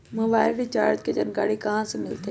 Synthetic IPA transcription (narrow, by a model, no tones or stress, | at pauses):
moʋaːɪlɖit͡ʃa̰ːɾt̪ked͡ʒɐnɡa̰ːɽikɐɦãsemɪlt̪e